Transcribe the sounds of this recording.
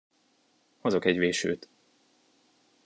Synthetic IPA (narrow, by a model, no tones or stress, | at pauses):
ho̞zokɛɟveːʃø̰ːt̪